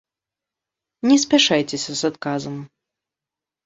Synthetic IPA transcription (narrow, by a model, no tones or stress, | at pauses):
nʲɛsʲpʲaʂajt͡sʲesʲɐzat̪kazɐm